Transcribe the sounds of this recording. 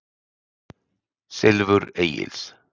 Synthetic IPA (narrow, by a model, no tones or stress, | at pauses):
sɪlvʏɾejɪ̰ls